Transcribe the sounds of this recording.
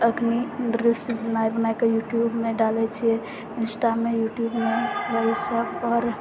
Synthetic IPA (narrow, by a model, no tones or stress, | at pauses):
əkniɾisbənajbənajkejuʈjubmeɖalɛt͡ʃʰijɛ | insʈamejuʈjubmebəisəbɔɾ